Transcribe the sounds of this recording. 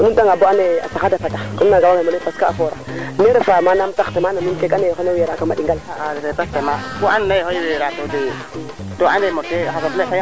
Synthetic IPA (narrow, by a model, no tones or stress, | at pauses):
mudaŋaboanea̰saxadapatakumnaɡawaɡamonepaskaafoɾaneɾefamanamt͡saktamanaminkekanejxeneweɾakamaɗiŋɡaladɾebastemabuannajɦojeɾatode | doanemoteakabekaja